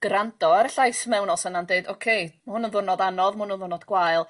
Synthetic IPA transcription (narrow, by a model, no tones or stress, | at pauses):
ɡ̥randɔaɾəɬajsmɛwnɔsənandeɨdokʰejmhʊnənðʊnɔdanɔðmʊnənðʊnɔdɡwajlˠ